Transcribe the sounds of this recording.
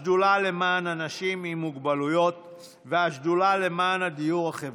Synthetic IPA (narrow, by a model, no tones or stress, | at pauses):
dulale̞maːnanaʃimimuɡbalujo̞t̪̚ | veaʃdulale̞maːnad̪ijuʁhaχev